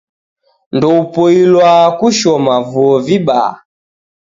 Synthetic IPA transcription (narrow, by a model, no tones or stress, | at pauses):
ndɔupɔilwakuʃɔmavuɔviɓa̰a̰